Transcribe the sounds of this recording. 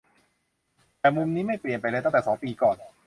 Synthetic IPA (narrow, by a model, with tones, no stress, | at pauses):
t̪ɛː˨˩mu˧mniː˦˥ma˥˩jpli˨˩ənpa˧jlɤː˧t̪t̪ɛː˨˩sɔː˩˦ŋpiː˧kɔː˨˩n